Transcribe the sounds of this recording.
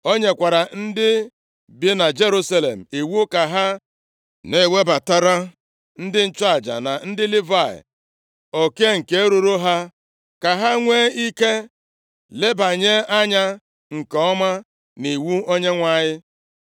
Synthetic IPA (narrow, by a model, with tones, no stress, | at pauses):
o˦ɲe˨kʷa˨ɾa˨n̩˦dɪ˦ | bi˦na˨d͡ʒe˦ɾu˦sa˦lḛ˨m̩˨e˨wu˦ka˨ɦa˦ | ne˦˨we˦ba˨ta˦ɾa˦ | n̩˦dɪ˦n̩˦t͡ʃa˨d͡ʒa̰˨na˨n̩˦dɪ˦lɪ˦va˦˨ɪ̰˨ | o˨ke˦ŋ̩˨ke˨˦ɾu˨ɾo˦ɦa˦ | ka˨ɦa˦ŋʷe˦i˦ke˦ | le˦ba˨ɲe˦a˦ɲa˦ | ŋ̩˨kɔ˦ma˦ | ni˨wu˦o˦ɲe˦ŋʷa˦˨ɲɪ˦